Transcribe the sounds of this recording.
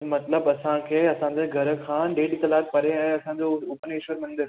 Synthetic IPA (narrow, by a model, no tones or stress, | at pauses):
mɐt̪ləbɐsãkʰeːɐsãd͡ʑeɡʱɐɾə̆kʰãːɖeːʈɪt̪ɐlaːt̪̚pɐɾeɛ̃ːɐsãɲd͡ʑoʊpnɪʃʋəɾmɪ̃n̆d̪ə